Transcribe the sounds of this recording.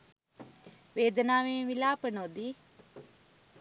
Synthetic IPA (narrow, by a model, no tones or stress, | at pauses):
ʋeːd̪ənaːʋeːʋilaːpənod̪i